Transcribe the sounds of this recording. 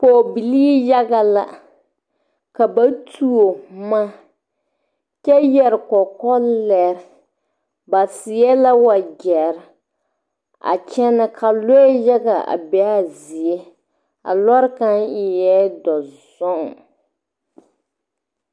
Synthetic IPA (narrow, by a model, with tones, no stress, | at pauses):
poː˨bi˨liː˦ja˦ɡa˨la̰˨ | ka˨ba˦tʰu˦o˨ma˦ | t͡ʃɛ˦jɛ˨ɾɪ˨kɔ˨kɔ˦lɛ˦ɾ | ba˨sɪ˨ɛ˦la˦wa˨ɡɛ˨ɾ | a̰˨t͡ʃɛ˦na˦kʰa˨lo˦ja˦ɡa˨a̰˨bɛ˦a˦zi˨e˦ | a̰˨lɔ˦ɾka˦nɪ˨jɛ˦dɔ˨zɔ˦ŋ˨